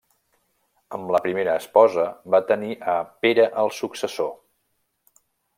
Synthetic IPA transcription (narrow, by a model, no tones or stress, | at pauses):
əmləpɾimeɾəːspɔzəbat̪əniʔəpeɾəʔəlˠsuksəso